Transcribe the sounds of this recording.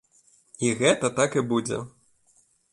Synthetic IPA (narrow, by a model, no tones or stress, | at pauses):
iɣɛt̪ɐt̪akibud͡zʲɛ̰